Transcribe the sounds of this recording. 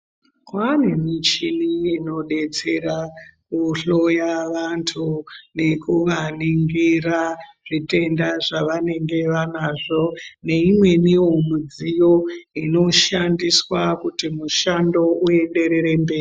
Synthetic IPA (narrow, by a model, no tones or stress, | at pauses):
kwanemit͡ʃiniːno̞ɗe̞t͡se̞ɾakuɬo̞jaʋantʰune̞kuʋaniŋɡiraʐ̥ite̞ndaʐaʋane̞ŋɡe̞ʋanaʐo̞ne̞imwe̞niwomud͡zijo̞ino̞ʃandiswakutimuʃando̞uje̞ɗe̞ɾe̞ɾe̞mbeːi